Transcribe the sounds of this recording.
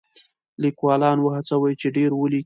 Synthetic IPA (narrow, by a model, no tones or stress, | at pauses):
likwɑlɑnwəhat͡sawəjt͡ʃeɖeɾwəli